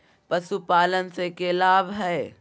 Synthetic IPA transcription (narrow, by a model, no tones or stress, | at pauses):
pəsupaːlənsekelaːbʱɦɛ